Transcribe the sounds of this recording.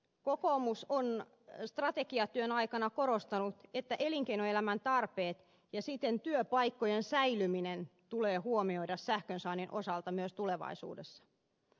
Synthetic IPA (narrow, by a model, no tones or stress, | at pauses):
kokomuson | st̪rɑt̪ekiɑt̪yønɑikɑnɑkoɾost̪ɑnut̪et̪ːæʔeliŋkeinoelæmænt̪ɑrpeːt̪ | jɑsit̪ːent̪yøpɑikːojensæilyminent̪uleːhuomioiɾɑssæhkønsɑːninʔosɑlt̪ɑmyøst̪uleʋɑ̰isṵːdesːɑ̥